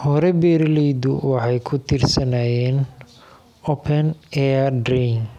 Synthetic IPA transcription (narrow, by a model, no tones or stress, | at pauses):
hɔɾɛbɛːɾlɛjd̪ʊwɑħɑjkʰʊt̪ʰirsɐnaːjɛːn | ɔpʰɛnɛːdɾin